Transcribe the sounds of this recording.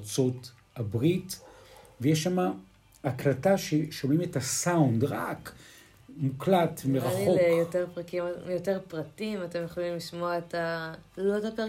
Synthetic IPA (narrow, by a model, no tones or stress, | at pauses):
t͡sot | habʁitvejeʃamaː | klataʃeʃomimetasaundʁak | muklatmeʁaχnioejoteʁpʁakimjoteʁpʁatimatemjoχolimliʃmoaetaloetaka